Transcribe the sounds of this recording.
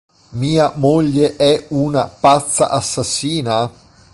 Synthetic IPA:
miːamoʎːeʔɛunapat̪sːa̰ʔasːasːiːna

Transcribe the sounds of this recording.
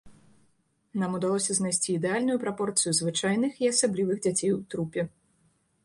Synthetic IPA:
namud̪alˠɔsʲɐznajsʲt͡sʲiːd̪ɛalʲnujupɾapɔrt̪sɨjuzvɨt͡ʂajnɨxiasablʲivɨɣd͡zʲat͡sʲejwt̪ɾupʲɛ

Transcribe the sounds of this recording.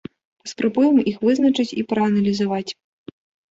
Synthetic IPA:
pɐ̥spɾabujɛmixvɨznɐt͡ʂɨt͡sʲipɾɐɐnɐlʲizavat͡sʲ

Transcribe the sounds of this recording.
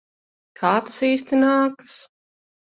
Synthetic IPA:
kʰaːt̪asiːst̪inaːkɨs

